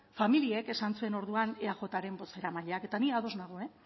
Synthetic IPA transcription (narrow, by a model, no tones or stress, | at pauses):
familie̞ke̞sant͡sue̞no̞ɾðuaneaʝo̞t̪aɾe̞mbo̞se̞ɾamaʎeake̞t̪aniaðo̞znaɣ̞oe̞